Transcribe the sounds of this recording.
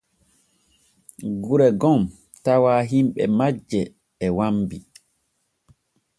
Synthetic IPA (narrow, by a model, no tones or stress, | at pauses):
ɡuɾɛɡɔm | tawaːɦimɓɛmad͡ʒːɛː | wambi